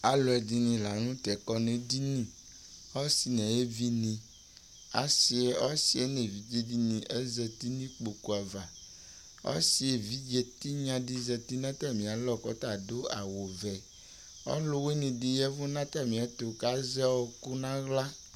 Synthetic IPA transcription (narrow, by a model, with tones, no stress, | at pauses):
a˨lɔ˨ɛ˨di˦nĩ˨la˨nũ˦t̪ɛ˨kɔ˦nẽ˨di˦nĩ˦ | ɔ˦si˨nɛ̃˨je˦vi˦nĩ˨ | a̰˨si˨e˦ɔ˦si˨e˦nẽ˨vi˨˦d͡ʒe˦di˦nĩ˨ʔe˦zɛ˨t̪i˦nĩ˦k͡po˨ku˨a˨va˨ | ɔ̰˦si˦e˨vi˦d͡ʒe˦t̪i˦ɲã˦di˦zɛ˨t̪i˦nã˦t̪ɛ˦mĩ˨a˨lɔ˦˨kɔ˨t̪a˨do˦a˨wo˨vɛ˨ | ɔ̰˦lo˦we˦nĩ˨di˨jɛ˦vu˦nã˦t̪a˦mĩ˨a˦t̪o˨ka˦zɛ˦wɔ˦ku˦nã˦ɣla˦